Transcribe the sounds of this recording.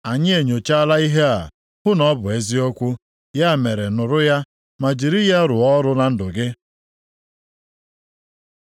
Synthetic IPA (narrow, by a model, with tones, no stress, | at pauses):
a˨ɲɪ˦e˨ɲo˨t͡ʃa˦la˦i˦ɦe˦a̰˨ | hʊ˦nɔ˦bʊ˨e˦zi˦ɔ˦kʷʊ˦ | ja˦˨me˨ɾe˨nʊ˨ɾʊ˦ja˦ | ma˨d͡ʒi˨ɾi˦ja˦ɾʊ˨ɔ˦ɾʊ˦na˦n̩˦dʊ˨ɡɪ˦